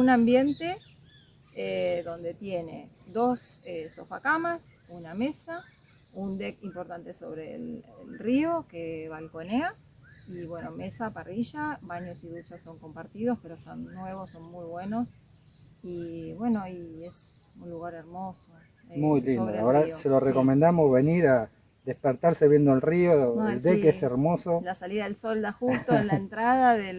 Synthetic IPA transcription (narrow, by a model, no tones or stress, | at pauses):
unambje̞nt̪e | eðo̞nd̪e̞t̪je̞ne̞̰d̪o̞seso̰fa̰kamas | uname̞sa | und̪e̞kimpo̞ɾt̪ant̪e̞so̞̰βɾelḛlrio̞keβalko̞nea | iβwe̞no̞me̞sapariʒaβaɲo̞siðut͡ʃaso̞ŋko̞mpaɾt̪ið̞o̞spe̞ɾoest̪a̰nːwe̞βosːo̞nmujβwe̞nos | iβwe̞noijes | unluɣaɾe̞ɾmo̞so | emujlid̪oaoɾaseloreko̞mend̪amozβe̞niɾa | ðehpeɾt̪aɾseβje̞nd̪oelrioeld̪ekeseɾmo̞solasaliðaðelso̞ld̪axust̪oenlaent̪ɾaðaðe